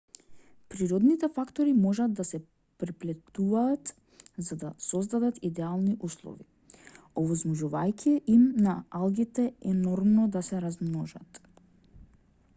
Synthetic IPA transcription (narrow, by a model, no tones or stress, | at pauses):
pɾiɾɔd̪nit̪ɛfakt̪ɔɾimɔʒad̪d̪asɛ | pɾiplɛt̪uvaːt̪ | zad̪asɔzd̪ad̪at̪id̪ɛalˠniʔuslˠɔ̰vḭ | ɔvɔzmɔʒuvajcʰiɛʔimnaalˠɡit̪ɛɛnɔɾmnɔd̪asɛɾazmnɔʒat̪